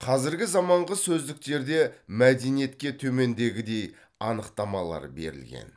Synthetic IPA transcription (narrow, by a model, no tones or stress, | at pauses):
qʰɑzɪɾɡʲɪzɑmɑɴʁəsɵzd̪ɪk̚t̪e̞ɾd̪e̞mæd̪e̞nije̞t̪kʲe̞t̪ʰɵme̞nd̪e̞ɡʲɪd̪e̞j | ɑnəqt̪ɑmɑlˠɑ̰ɾbe̞̰ɾɪ̰lɡʲe̞̰n